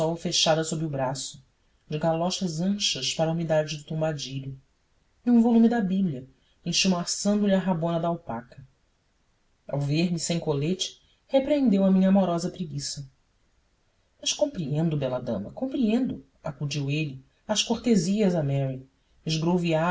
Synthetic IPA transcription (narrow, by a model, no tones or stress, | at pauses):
ɔwfeʃad̪ɐsobɾiubɾasʊ̥ | d͡ʒɪɡalɔʃɐzɐ̃ʃɐʃpaɾɐumid̪ad͡ʒɪd̪ʊt̪õmbad͡ʒiʎʊ | ĩũvolumid̪ɐbibliɐ | ẽʃumasɐ̃nd̪ʊliɐɦabõnɐd̪aawpa̰kɐ | a̰wveɾmisẽj̃kolet͡ʃɪ̥ | hepɾẽnd̪ewɐmĩɲɐamɔɾɔzɐpɾiɡisɐ | mɐʃkõmpɾiẽnd̪ʊbɛlɐd̪ɐ̰̃mɐkõpɾiẽnd̪ʊ | akud͡ʒiwelɪ | ɐʃkoχt̪eziɐzɐmɛɾi | ɪzɡɾovia